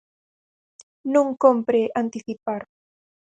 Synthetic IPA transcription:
nũŋkompɾeʔant̪iθipaɾ

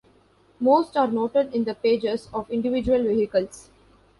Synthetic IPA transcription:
moːsʈaːɾnoːʈeɖɪ̃nd̪əpeːd͡ʒezɔːʋɪ̃ɳɖɪʋɪd͡ʒuəlʋɪɦɪkəls

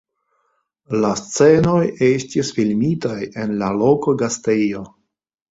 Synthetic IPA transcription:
last͡se̞no̞je̞stisfilmitaje̞nlalokoɡastejo̞

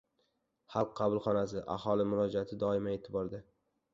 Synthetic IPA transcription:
hɑlˠqʰːɑbʊlˠχɒnas̬ɪʔa̰hɒlˠɪmʊɾɒd͡ʒaat̪ʰɪd̪ɒɪmae̞t̪ʰɪbɒɾd̪ɪ

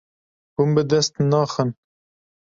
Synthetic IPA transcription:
humbɨd̪ɛst̪nɑːxən

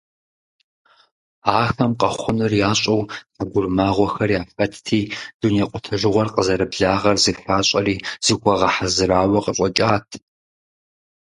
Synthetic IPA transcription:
aːxɐmqɐχʷʊnɨrjaːɕʼɐwsaɡʷʊrmaːʁʷɔxɐrjaːfɐtʰtʰiːd̥uneqʷʼʊtʰɐʒɨʁʷɔrqʼəzɐɾɨbɮaːʁɐrzifaːɕʼɐɾiːz̥ixʷʰɐʁɐħazɨɾaːwɐqəɕʼɔt͡ʃʼaːtʰ

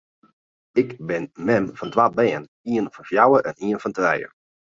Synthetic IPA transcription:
ɪkbɪnmɛmfɔntwat̚bɛːən | iənfɔnfjawəʔɛniənfɔntrɛjə̰

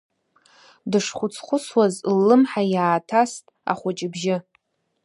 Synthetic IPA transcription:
dɨʂχʷʊt͡sʰχʷʊswazlːɨmħajaːtʰastʼa̰χʷʊt͡ʃʼɪbʒɪ

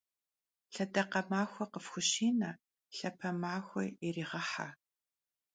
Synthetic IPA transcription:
ɬɐdɐqɐmaːxʷɔqəfxʷʊɕiːnɐ | ɬɐpʰɐmaːxʷɔ̰eriːʁɐħa̰

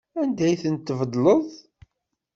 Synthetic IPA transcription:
ænd̪æjθənt̪ːəvəd̪ˤləðˤ

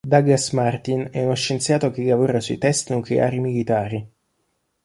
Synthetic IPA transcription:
d̪aɡasmart̪inɛunoʃːent̪sjaːt̪ok̟elavuːɾasuit̪ɛst̪nuklḛʔa̰ːɾimilit̪aːɾi

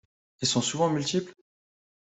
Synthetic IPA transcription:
ɛlsɔ̃suvɑ̃mylt̪ipl

